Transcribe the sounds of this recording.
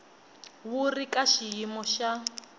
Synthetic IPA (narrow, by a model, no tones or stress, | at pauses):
wurikaʃijimɔʃa